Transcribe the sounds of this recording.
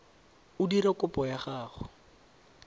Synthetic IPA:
ʊdiɾɛkʊpɔjaχaːχʊ

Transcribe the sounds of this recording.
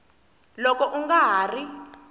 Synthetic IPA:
lɔkɔʔuŋɡaɦaːri

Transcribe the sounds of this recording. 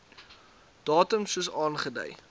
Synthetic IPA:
d̥ɑːtəmsuəsɑːnχədə̰j

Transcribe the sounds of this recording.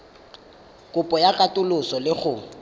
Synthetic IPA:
kʼʊpʼɔjakʼatʼʊlʊsɔlɪχʊ

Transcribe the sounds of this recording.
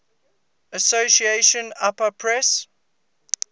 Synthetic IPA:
əsosieʃə̃napəpʰɹɛs

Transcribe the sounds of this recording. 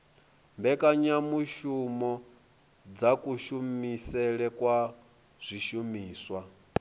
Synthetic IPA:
mbɛkʼaɲamuʃumɔ | d͡zakʼuʃumisɛɺɛkʼwa | z̥ʷiʃumiːswa

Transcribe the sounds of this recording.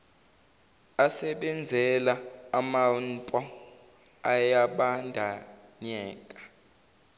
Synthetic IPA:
asɛɓɛnd͡zʱɛlaːmantʼɔ | ajaɓandʱaɲɛːkʼḁ

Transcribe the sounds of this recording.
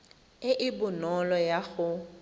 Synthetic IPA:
ɪʔɪbʊnɔlɔjaɣʊ

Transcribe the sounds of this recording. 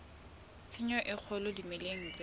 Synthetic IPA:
t͡sʰɪɲɔʔɪk͡xʰɔlɔdimeleŋ̩t͡se

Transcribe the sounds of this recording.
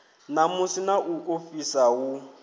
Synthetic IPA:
namʊsinaʔuʔofisawu

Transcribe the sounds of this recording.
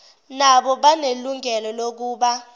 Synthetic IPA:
naɓɔɓaneluŋʱɛlɔlok̬uːɓa

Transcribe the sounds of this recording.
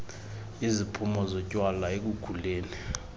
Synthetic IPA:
izipʰumɔzɔcʼwalaek̬uɡ̥ʱuleːni

